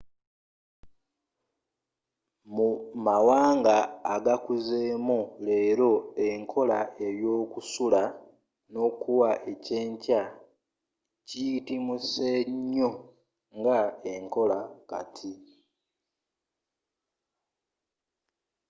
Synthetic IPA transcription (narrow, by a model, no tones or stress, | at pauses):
mumawaːŋɡaːɡakuzeːmule̞ːɾo̞e̞ŋkʰo̞lae̞ɾjo̞ːkusula | no̞ːkuwaʔe̞ceːɲca | citimuse̞ɲːo | ŋɡaeŋko̞laka̰tʰi